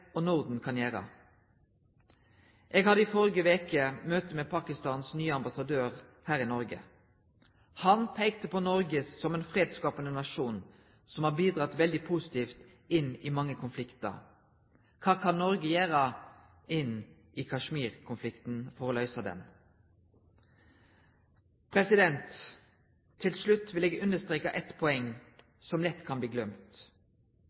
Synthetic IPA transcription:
ɔnʊʁd̪n̩kʰɑnjæːɾə̰ | ʔɛːɡhɑd̪əɪfɔɾɪɡəʋeːkəmøːt̪əmeːpʰɑːkɪst̪ɑːnsnyːəɑmbɑsɑd̪øːʁhæːʁɪnɔɾɡə̰ | hɑnpʰæɪkt̪əpɔnɔɾɡəːɔmɛːnfʁeːd̪skɑːpənənɑʃuːn | sɔmhɑːbiːd̪ʁɑt̪ʋɛld̪ɪpʰuːsɪ̥t̪ʰiːft̪ | ɪnɪmɑŋːəkʰʊnflɪkt̪ə̰ | kʰɑːkʰɑnːɔɾɡəjæːɾə | ɪnʔɪkʰɑʂmiːɾkʰʊnflɪkt̪n̩fɔɾoːlœʏsəd̪ɛ̰n | pʰɾɛsɪd̪ɛnt̪ʰ | ɪlslʉt̪ːʋɪleːɡʉnəst̪ɾʁeːkɑʔɛt̪pʰɔɛŋː | sɔmlɛt̪kʰɑnbliːɡlœmt̪

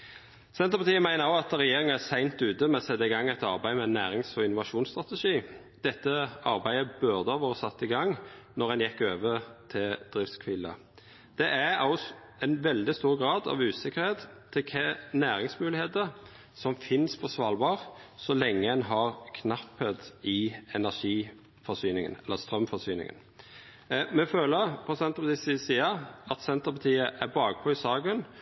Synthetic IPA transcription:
sɛnt̪əpɑt̪ʰiːəmæɪnəʁɔɑt̪ɾɛjeːɾɪŋənæsæɪnt̪ʉːt̪əmɛɔsɛt̪ːəɪɡɑŋːæɪt̪ɑʁbæɪmɛnːæːɾɪŋsɔɪnʊʋɑʃuːnst̪ʁɑt̪əʂiː | d̪ɛt̪ːəɑɾbæɪəbœʁd̪əɑʋoːʁsɑt̪ːɪɡɑŋnɔʁɛnjɛkːøːʋət̪ʰɪld̪̥ʁɪft̪skʰʋɪlːə̰ | d̪̥ɛʔæɑl | ɛnʋɛld̪ɪst̪uːʁɡʁɑːd̪ɑ̰ʋʉːsɪkːəɾheːt̪t̪ʰːɪlkʰɛnæːɾɪŋsmʉːlɪheːt̪əɾ | sɔmfɪnspʰɔsʋɑːlbɑːʁsɔlɛŋːəɛnɦɑʁkʰnɑpːət̪ɪɛnæʂiː | fɔsyːnɪŋə̰nɛlːəst̪ɾœmfɔsyːnɪ̰ŋə̰n | mɛføːləɾpʰɔsɛnt̪əpɑt̪ʰiːsɪsiːəɑt̪sɛnt̪əɾpɑt̪ʰiːəʔæbɑːɡ̚pʰɔɪsɑːɡən

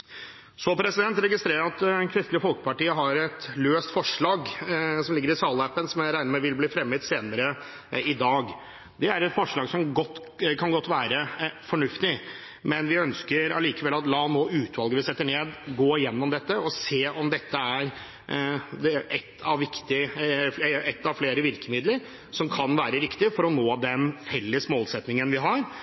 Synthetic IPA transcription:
sɔpʰɾɛsɪd̪ɛnt̪ɾɛɡɪst̪ɾeːɾəɑt̪ɛnkʰɾɪst̪ləfɔlkə̥pɑʈiːəɦɑɾɛt̪løːst̪fɔʂɭɑːɡsɔmlɪɡːəɾɪsɑːləɛpːənsɔmæɾæɪnəmɛʋɪlbliːfɾɛmːət̪seːnəɾə | ɪd̪ɑːɡ | d̪ɛæɾɛt̪fɔʂɭɑːɡsɔmɡɔt̪ː | kʰɑnɡɔt̪ːʋæːɾəfɔɳʉft̪ɪ | mɛnʋɪœnskəɾɑ̰liːkəʋɛlːɑt̪lɑːnoːʉːt̪ʋɑlɡəʋɪsɛt̪ːəɳeːd̪ɡoːɪjɛnːɔmd̪ɛt̪ːəɔseːɔmd̪ɛt̪ːəæɾ | ɛt̪ʰːɑʋʋɪkt̪ɪ | ɛt̪ːɑʋfleːɾəʋɪɾkəmɪd̪ləɾ | sɔmkʰɑnʋæːɾəɾɪkt̪ɪfɔɾɔnoːd̪ɛnfɛlːəsmoːlsɛt̪nɪŋənʋɪɦɑɾ

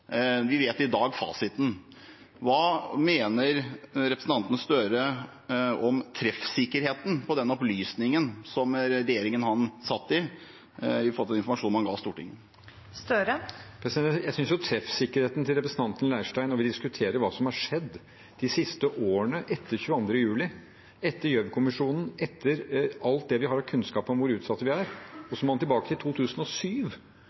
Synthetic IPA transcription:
ʋɪʋeːt̪ɪd̪ɑːɡfɑ̰ːsɪt̪n̩ | ʋɑːmeːnəɾɾɛpɾəsn̩t̪ɑnt̪ənəst̪øːɾə | ɔmt̪ʰɾɛfsɪkːəɾheːt̪n̩pʰɔd̪ɛnːɔplyːsnɪŋənsɔmɾɾɛjeːɾɪŋənhɑnsɑt̪ːɪ | ɪfɔɾt̪ɛnɪnfɔmɑʂuːnmhɑnɡɑ̰ːst̪uːʈɪ̰ŋə | st̪øɾəpʰɾɛsɪd̪ɛjæɪsʏnsjʊt̪ʰɾɛfsɪkːəɾheːt̪n̩t̪ʰɪlɾɛpɾəsənt̪ʰɑnt̪ənlæɪʂʈæɪnɔʋɪd̪ɪskʉt̪ʰeːɾəɾʋɑːsɔmhɑʂɛd̪ː | d̪̥ɪsɪst̪əʔoːəɳəʔɛt̪ʰːəɾçʉːɑnd̪ɾəjʉːlɪ | ɛt̪ːəɾjœʋkʰʊmɪʂuːnn̩ɛt̪ʰːəɾɑlt̪̚d̪ɛʋɪhɑɾhɑkʰʉnskɑːpəɔmʋʊɾʉːt̪sɑt̪ːəʋɪæɾɔsɔmɑnt̪ɪlbɑːkət̪ʰɪlt̪ʰuːt̪ʰʉːsənɔsyːʋ

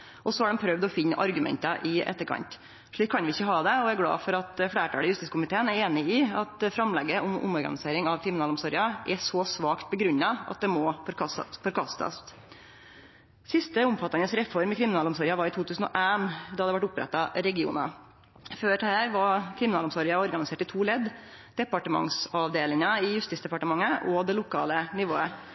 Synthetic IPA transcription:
ʔɔsɔæɖɛmpʰɾœʋd̪ɔfɪnːəʔɑ̰ɾɡʉmɛ̰nt̪əʔɪʔɛ̰t̪ːəɾkʰɑ̰nt̪ | ʂɭiːkʰːɑnʋɪɪçːəɦɑːd̪ɛɔæɾɡlɑ̰ːfɔɾɑt̪fɽæːʈʰɑ̰ːləjʉst̪iːskʊmɪt̪ʰeːənæɾeːnɪɪɑt̪fɾɑmlɛɡːəʔʊmʊ̰mɔɾɡɑ̰nɪseːɾɪŋɑʋkʰɾɪmɪnɑːlʊmsɔɾjɑʔɛsɔsʋɑːkt̪̚bəɡɾʉɲːɑɑ̰t̪̚d̪ɛmɔfɔɾkʰɑsfɔɾkʰɑst̪ɑ̰s | sɪst̪əʊmfɑt̪ːɑŋəsɾɛfɔɾmɪkʰɾɪmɪnɑːlʊmsɔɾjɑʋɑːɾɪt̪ʰuːt̪ʉːsn̩ɔ̰ʔæmd̪ɑɑd̪əʋæʈʊpɾɛ̰t̪ːɑɾɛɡɪṵːnɑ̰ | føːʈʰhæːɾʋɑkʰɾɪmɪnɑːlʊmsɔɾɪɑɔɾɡɑnɪseːʈɪt̪ʰuːlɛd̪ | d̪̥ɛpɑʈəmɑ̰ŋsɑʋd̪eːlɪŋɑɪjʉst̪ɪsd̪ɛpɑʈəmɑŋːəʔɔd̪ɛlʊkʰɑ̰ːlənɪʋoːə

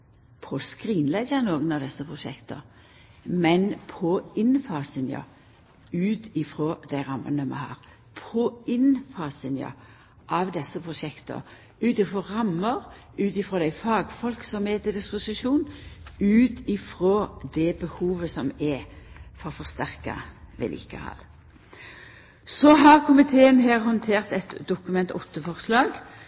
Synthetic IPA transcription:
pʰɔskʁiːnlɛɡənoːɡənɑʋd̪ɛsːəpʰʁʊʃɛ̰kt̪ə̰ | mɛnpʰɔɪnfɑːsənjə̰ | ʉːt̪ʰɪfɾoːd̪̥æɪʁɑmːə̰nəmɛ̰hɑ̰ːʁ | pʰɔɪnfɑːsənjɑ̰ | ʔɑʋd̪ɛsːəpʰʁʊʃɛkt̪ə̰ | ʉːt̪ɪfʁɔːʁɑmːəʁ | ʉːt̪ɪfɾoːd̪æɪfɑːɡfɔlksɔmɛt̪ɪd̪ɪspʊsɪʃuːnʉːt̪ʰɪfʁoːd̪ɛbəhuːʋəsɔmɛfɔʁfɔʁst̪æʁkɑ̰ʋɛ̰lʔḭːkə̰hɑ̰l | sɔɦɑʁkʰʊmɪt̪ʰeːənɦæːʁhɔnt̪ʰeːʁt̪ɛt̪d̪ʊkʉmɛnt̪ɔt̪ːəfɔʁslɑːɡ

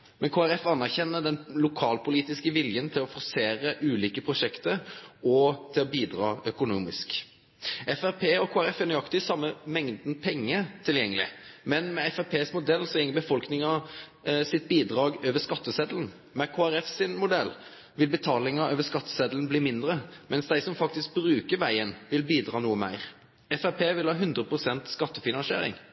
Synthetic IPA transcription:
mɛnkʰoːæɾɛfɑnːæʁçɛnːəd̪ɛnlʊkʰɑːlpʰʊliːt̪ɪskəʋɪljənt̪ʰɪlɔfɔɾseːɾəʔʉːliːkəpʰɾʊʂɛkt̪əɾɔt̪ʰɪlɔbiːd̪ɾɑ̰ːœkʊnuːmɪsk | ʔɛfæʁpʰeːɔkʰoːæɾɛfɛnʏɑkt̪ɪsɑmːəmɛŋd̪n̩pʰɛŋːət̪ʰɪljɛŋːəlɪ̰mɛnmɛɛfæɾpʰeːsmʊd̪ɛlːsɔjɛŋːəbəfɔlknɪŋɑ | sɪt̪̚biːd̪ʁɑːɡøːʋəʂkɑt̪ːəsɛd̪ln̩ | mɛkʰoːæɾɛfsɪnmʊd̪ɛlː | ʋɪlbət̪ʰɑːlɪŋɑøːʋəskɑt̪ːə̥sɛd̪ln̩bliːmɪnd̪ɾəmʔɛnsd̪æɪsɔmfɑkt̪ɪsk̚bɾʉːkəɾʋæɪənʋɪlbiːd̪ʁɑːnuːəmæ̰ɪʁ | ɛfæpʰeːʋɪlhɑːɦʉnd̪ɾəpʰʁʊsɛnt̪skɑt̪ːəfɪnɑnsɪḛːɾɪ̰ŋ

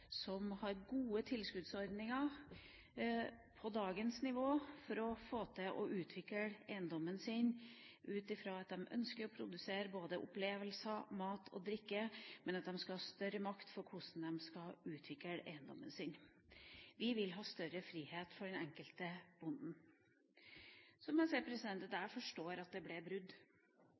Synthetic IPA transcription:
sɔmhɑɾɡuːət̪ʰɪlskʉd̪sɔɾd̪nɪŋɑ | pʰɔd̪ɑːɡənsnɪʋoːfɔɾɔfoːt̪ʰəʔɔʔʉːt̪ʰʋɪkəeɪənd̪ɔmənsɪnʔʉːt̪ɪfɾɑːɑt̪̚d̪ɛmʔœ̰nskəɾɔpʰɾʊd̪ʉseːɾəboːd̪əʔʊ̰pleːʋəlsɑmɑːt̪ʰɔ̰d̪ɾɪkːəmɛnɑt̪̚d̪ɛmskɑhɑːst̪œɾəmɑkt̪fɔɾkʰʊsn̩d̪ɛmskɑʉːt̪ʰʋɪkəɾḛɪənd̪ɔ̰mːə̰nsɪn | ʋɪʋɪlɦɑːst̪œɾəfɾiːheːt̪fɔɖɛnɛŋkəlt̪əb̥ʊnd̪n̩ | sɔmɑnsɛɪpʰɾɛsɪd̪ɛnt̪əd̪æːɾfɔʂʈoːɾɑt̪̚d̪ɛblɛbɾʉd̪

